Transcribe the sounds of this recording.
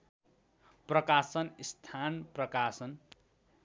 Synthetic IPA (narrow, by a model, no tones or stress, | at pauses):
prʌkasʌnist̪ʰanprʌkasʌn